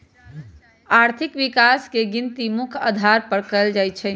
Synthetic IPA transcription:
aɾt̪ʰikʋikaskeɡint̪imukʰa̰d̪ʱaɾpəɽkəld͡ʒajt͡ʃʰɛ

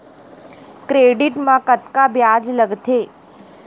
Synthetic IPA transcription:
kɾeɖiʈmãkət̪kabjad͡ʒləɡt̪ʰe

